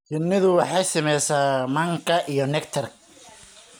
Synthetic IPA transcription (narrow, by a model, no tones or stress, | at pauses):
t͡ʃɪnːɪðʊwɑħɑjsɐmɛjsaːmɐŋkʰɐʔijɔnɛkt̪ʰɐrkʰɐ